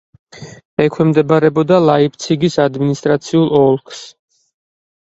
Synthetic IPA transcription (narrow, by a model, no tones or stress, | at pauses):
ɛkʰwɛmd̪ɛbaɾɛbɔd̪alˠaipt̪sʰiɡisad̪minist̪ʼɾat̪sʰiulˠɔlˠkʰs